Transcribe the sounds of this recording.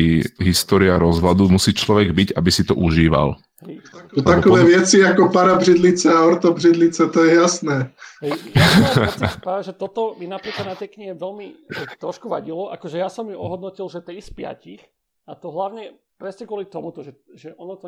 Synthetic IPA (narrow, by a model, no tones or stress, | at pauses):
ɦist̪ɔːɾiaɾɔzɦlad̪umusiːt͡ʃlɔʋɛɡbiɟabisit̪ɔ̰ʔuʒiːʋa̰l | ɦɛt̪akɔʋɛːʋɪɛt͡siakɔpaɾabrid̪lit͡sɛaɔɾt̪ɔbrid̪lit͡sɛt̪ɔjɛjasnɛːɦɛ | pɾaːʋɛʒɛt̪ɔt̪ɔminapɾiːklad̪nat̪ɛkɲiɛʋɛlmit̪ɾɔʃkuʋaɟilɔʔa̰kɔʒɛjasɔmːiɔɦɔd̪̚nɔcilʒɛt̪iːspɪa̰cix | at̪ɔɦlaʋɲɛpɾɛsɲɛkʊɔlit̪ɔmut̪ɔʒɛʒɛʔɔnɔt̪ɔ